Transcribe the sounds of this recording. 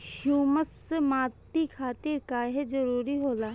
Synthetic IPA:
hjuːməs | maːt̪ikʰaːt̪iɾkaːɦed͡ʒɐɾuːɾiɦoːlaː

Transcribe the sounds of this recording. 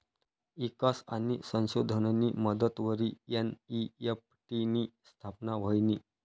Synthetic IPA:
ikasa̰ñisə̃ñɕod̪ʱənniːməd̪ət̪ʋəɾiːeniepʈiniːst̪ʰapnaʋ̤əjniː

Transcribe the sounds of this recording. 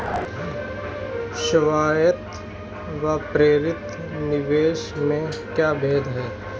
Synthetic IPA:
ʃəʋaːjət̪ | ʋapɾeːɾɪt̪ | nɪʋeːʃmẽkjaːbʱeːd̪ɦɛː

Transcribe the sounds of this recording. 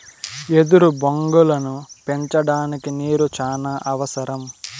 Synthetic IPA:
e̞d̪uɾuboŋɡulɐnupe̞ɲt͡ʃɐɽaːnikineːɾut͡ʃaːnaːʔɐʋɐsɐɾɐm

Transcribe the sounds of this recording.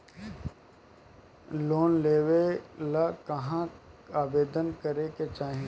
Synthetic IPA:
loːnleːwelakɐɦãaːbeːd̪ənkəɾeket͡ʃaːɦẽ

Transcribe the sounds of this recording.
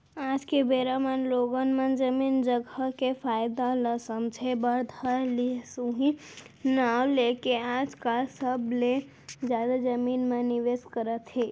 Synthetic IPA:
ad͡ʒkebeɾamanloɡənmənd͡ʒəmind͡ʒəɡəkefʰajd̪aləsəmd͡ʒʱebəɾd̪ʱəɾlisũɦĩ | nawlekead͡ʒkalsəble | d͡ʒjad̪ad͡ʒəminmãniʋeskəɾət̪ɦe

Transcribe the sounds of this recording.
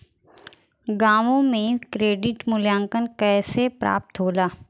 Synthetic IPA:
ɡaːʋõmẽkɾeːɖɪʈmʊljãːŋkənkɛːsepɾa̰ːp̚t̪ɦoːlaː

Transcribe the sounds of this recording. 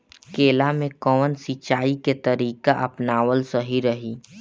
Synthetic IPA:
keːlamẽkɔːnsit͡ʃaːiket̪əɾiːkaʔɐpnaːwəlsəɦiɾəɦiː

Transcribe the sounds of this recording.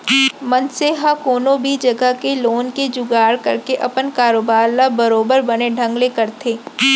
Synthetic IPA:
mɐnseɦakoːnõbʱid͡ʒɐɡəkeloːnked͡ʒʊɡaːɽkɐ̰ɾkeʔɐpənkaːɾoːbaːɾlabɐɾoːbəɾbɐneɖʱɐ̃ŋɡlekɐɾt̪ʰeː

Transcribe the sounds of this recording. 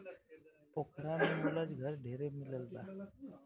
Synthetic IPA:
pokʰɾamemiləd͡ʒɡʱəɾɖʱeɾemiləld̪a

